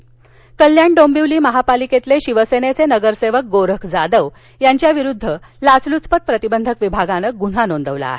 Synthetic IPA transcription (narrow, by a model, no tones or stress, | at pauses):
kəljaɳɖombiʋliːməɦapaliket̪leɕiʋəsenet͡senəɡəɾseʋək̚ɡoɾəkʰd͡zad̪əʋ | jaɲt͡ɕjaʋiɾud̪ʱːəlat͡slut͡spət̪̚pɾət̪ibənd̪ʱəkʋibʱaɡanək̚ɡun̤anond̪əʋla̰ːɦe